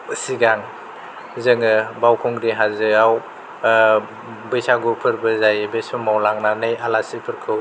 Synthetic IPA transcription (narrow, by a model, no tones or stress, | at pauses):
ɯsiɡaŋ | zɯŋɯbawkʰɔŋɾiɦazɯaw | bɯjsʰaɡupʰɯɾbɯzajbesɔmawlaŋnanɯjalasipʰɯɾkʰɯw